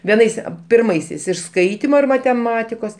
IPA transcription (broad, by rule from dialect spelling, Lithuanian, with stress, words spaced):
ʋʲiɛˈnɐɪs ɐ pʲɪrˈmɐɪsʲɛɪs ɪʃ ˈskɐɪtʲɪmoː ɪr mɐtʲɛˈmɑːtʲɪkoːs